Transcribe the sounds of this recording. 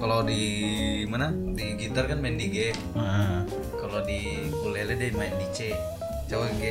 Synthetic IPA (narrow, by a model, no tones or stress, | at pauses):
kalodimanadiɡit̪arkanmaɪndiɡɛ | ma | kalodi | kulelɛdemaɪndit͡ʃe | t͡ʃawaɡɛ